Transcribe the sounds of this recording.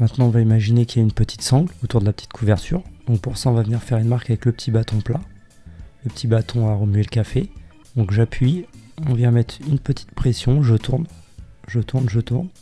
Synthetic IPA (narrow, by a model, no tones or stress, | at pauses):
mɛ̃t̪nɑ̃ɔ̃vaimaʒinekʲijaynpət̪ʰi̥t̪sɑ̃ɡlot̪uʁd̪əlapə̥t̪i̥t̪kʰuvɛʁt̪ʰy̰ʁd̪̥ɔ̃k̚puʁsaɔ̃vavəniʁfɛʁynmaʁkavɛkləpə̥t̪ʰibat̪ɔ̃pla | ləpə̥t̪ʰibat̪ʰɔ̃aʁəmyelkafe | d̪̥ɔ̃kʒapɥiɔ̃vjɛ̃mɛt̪χynpət̪ʰi̥t̪pχesjɔ̃ʒət̪ʰuʁnʒət̪uʁnʒət̪uʁn